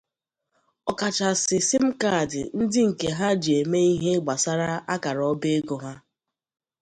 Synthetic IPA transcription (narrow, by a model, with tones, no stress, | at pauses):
ɔ˨ka˨t͡ʃa˨sɪ˨sɪ˦m̩˦ka˦˨dɪ˨n̩˦dɪ˦ŋ̩˨ke˨ɦa˦d͡ʒi˨e˨me˦i˦ɦe˦ɡ͡ba˨sa˦ɾa˦ʔa˦ka˨ɾɔ˦be˦e˦ɡo˨ɦa˦